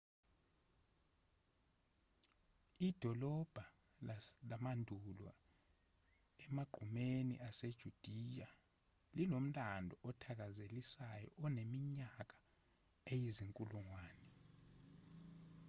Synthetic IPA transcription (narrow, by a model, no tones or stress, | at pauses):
id̥ʱɔlɔb̥ʱa | lamandʱulwa̰ | ɛmaɡ͡ǃ̥ʱumenḭʔased̥ʒ̥ʱud̥ʱija | lilom̩lʼandʱɔʔɔtʰak̬azelisajɔ̰ʔɔnemiɲak̬ḁ | ejiziŋkʼuluŋwaːnɛ